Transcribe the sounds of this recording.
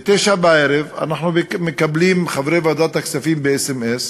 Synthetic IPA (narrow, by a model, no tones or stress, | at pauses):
t̪eʃabeʕeɾeva̰naħnumekabliːmxavɾejvad̪at̪aksafiːmbeesemʔes